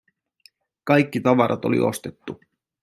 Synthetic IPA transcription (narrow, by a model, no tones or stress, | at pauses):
kɑjkːit̪ɑʋɑɾʔɑ̰t̪o̞lḭʔo̞̰st̪e̞t̪ːu